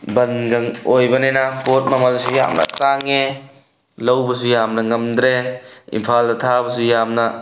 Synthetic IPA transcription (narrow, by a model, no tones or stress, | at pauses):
bɐnɡɐŋojbɐnenɐpot̚mɐmɐlsuja̰mnɐ̰taŋe | lɐwbɐsujamnɐŋɐmd̪ɾeḭmpʰaldɐtʰabɐsujamnɐ